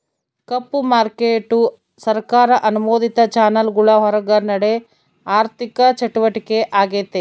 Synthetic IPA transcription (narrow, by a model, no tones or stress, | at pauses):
kɐpːumaːɾkeːʈːu | sɐɾkaːɾɐʔɐnumoːd̪it̪ɐt͡ʃaːnɐlɡuɭɐɦɔɾɐɡɐɾnɐɽe | aːɾt̪ikɐt͡ʃɐʈuʋɐʈikeʔaːɡeːt̪e